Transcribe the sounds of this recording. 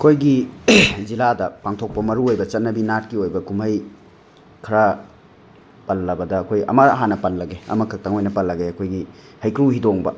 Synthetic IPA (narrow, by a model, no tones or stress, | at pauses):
ɐkʰojɡi | ziladɐpaŋtʰok̚pɐmɐɾuojbɐt͡ʃɐt̚nɐbinat̚kiojbɐkumɐj | kʰɐɾa | pɐlːɐbɐdɐːkʰojɐ̰mɐɐ̰ɦanɐpɐnlɐɡeɐ̰mɐkʰɐk̚tɐŋojnɐpɐlːɐɡeɐkʰojɡi | hɐjkɾuhidoŋbɐ̰